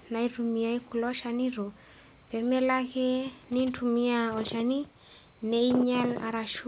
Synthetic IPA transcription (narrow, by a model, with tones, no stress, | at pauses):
na˨iɾu˨mi˨ja˦i˦ku˨lɔ˦ʃa˨ni˦ɾo˨ | pɛ˨mɛ˦la˦ke˦ni˦ntu˨mi˦a˨ɔ˨ʃa˨ni˦ | ne˦i˦ɲa˦la̰˨ɾa˨ʃu